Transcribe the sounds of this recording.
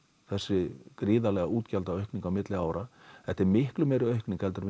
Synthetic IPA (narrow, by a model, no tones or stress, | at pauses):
θɛsːɪkɾɪːðalɛɣauːt̪calt̪aœɥhkniŋkawmɪt̪lɪaːwɾaθɛht̪ɛɾmɪhklʏmeːjɾʏœɥhkniŋkɛlt̪ʏɾ